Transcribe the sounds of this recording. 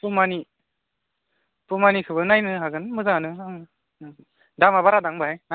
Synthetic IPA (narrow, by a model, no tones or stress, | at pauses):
pumani | pumanikʰɯbɯnajnɯɦaɡɯnmɯzanɯaŋ | damabaɾadaŋbaɦajna